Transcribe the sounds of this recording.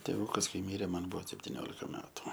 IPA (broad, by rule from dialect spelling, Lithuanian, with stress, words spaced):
tʲeːˈʋuːkɐs ˈkɐɪ ˈmʲiːrʲeː ˈmɐn ˈbʊʋoː sʲɛpʲtʲɪˈnʲoːlʲɪkɐ ˈmʲæːtʊ